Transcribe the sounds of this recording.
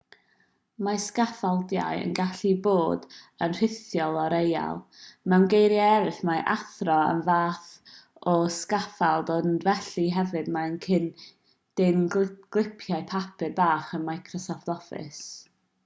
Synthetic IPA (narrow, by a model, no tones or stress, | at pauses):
maskafalˠdja̰jə̰nɡaɬiboːd | ənr̥ɪθjɔlˠɔɾeja̰lˠmɛwnɡejɾjaɛɾɪθmaʔaθrɔə̰nvaːθɔskafalˠdonvɛɬiɦɛvɨdmankʰɪn | d̥ɪnɡɡ̥lˠɪpʰjaɨpʰapʰɨrbaːχənmajkʰrɔsɔftɔfɪ̰s